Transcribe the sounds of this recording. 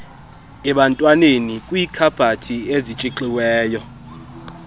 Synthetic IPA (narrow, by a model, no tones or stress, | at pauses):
ɛɓantʼwanenikʼwiːkʰab̥ʱatʰiezit͡ʃʼiǃiwɛːjɔ